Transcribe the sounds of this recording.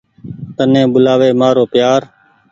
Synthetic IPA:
t̪ənẽːɓʊlaːʋeːmaːɾoːpjaːɾ

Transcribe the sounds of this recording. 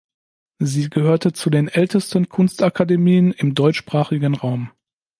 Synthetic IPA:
ziːɡəhøːɐtət͡sudeːnʔɛltəstən̩kʰʊnstakʰademiːənɪmdɔʏt͡ʃʃpʁ̥aːχɪɡən̩ʁaʊm

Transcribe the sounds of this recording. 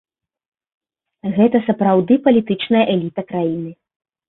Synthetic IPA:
ɣɛt̪ɐsɐpɾawd̪ɨpɐlʲit̪ɨt͡ʂnɐjɐʔɛlʲit̪ɐkɾajinɨ

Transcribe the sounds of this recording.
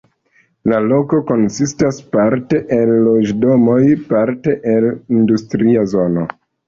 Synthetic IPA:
lalo̞ko̞ko̞nsistaspaɾte̞ʔenlo̞d͡ʒdo̞mo̞jpaɾte̞ʔelindustɾiazo̞no̞

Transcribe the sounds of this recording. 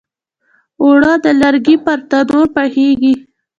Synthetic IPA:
oɽɑd̪əlaɾɡipaɾt̪ad̪oɾpəheɡi

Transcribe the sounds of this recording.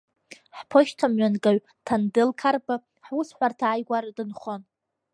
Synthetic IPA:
ħpʰoʃtʰamɥanɡaɥ | tʰandɨlkʰarba | ħusħʷartʰaːjɡʷardɨnχon

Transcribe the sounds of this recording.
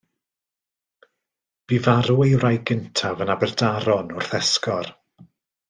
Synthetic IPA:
b̥ivaɾuejwrajɡəntʰavənabɛrdaɾɔnʊrθɛskɔr

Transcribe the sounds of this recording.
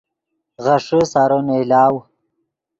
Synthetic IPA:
ɣaʂəsaɾonelaːw

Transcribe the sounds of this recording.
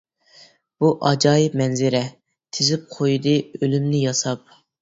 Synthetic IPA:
b̥uʔɑd͡ʒɑːjɪpmɛnzɪɾɛ | t̪ʰɪzɪp̚qʰojd̪ɨølymnɪjɑsɑp̚

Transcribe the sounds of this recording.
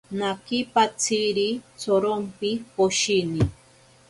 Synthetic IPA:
nakɪpat͡siɾit͡soɾompɪpoʃini

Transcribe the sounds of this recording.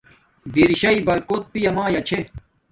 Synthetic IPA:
biɾiɕɐibɐɾkoːt̪̚pijɐmãːjɐt͡ɕʰe

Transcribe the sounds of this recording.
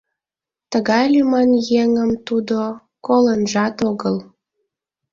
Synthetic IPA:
t̪əɣɑjlymɑnjeŋəmt̪ud̪o | kolənʒɑt̪oɣəl

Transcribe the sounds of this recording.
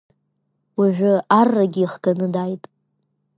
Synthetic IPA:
waʒᶣʷʊarːaɡʲɪiχɡanɨdajtʼ

